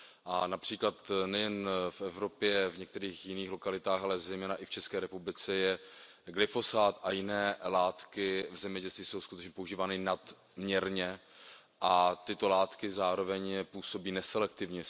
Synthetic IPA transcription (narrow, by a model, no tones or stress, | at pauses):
ʔanapr̥iːklat̪nɛjɛnfʔɛvɾo̞pjɛvɲɛk̚t̪ɛɾiːxjɪniːxlokalɪt̪aːxalɛzɛjmɛːnaʔɪft͡ʃɛskɛːɾɛpublɪt͡sɛjɛ | ɡlɪfo̞saːt̪ʔajɪnɛːlaːt̪kɪvzɛmɲɛɟɛlst̪viːso̞wskut̪ɛt͡ʃɲɛpouʒiːvaːnɪnad̪ | mɲɛɾɲɛʔat̪ɪt̪o̞laːt̪kɪzaːɾo̞vɛɲpuːso̞biːnɛsɛlɛk̚t̪ɪvɲɛ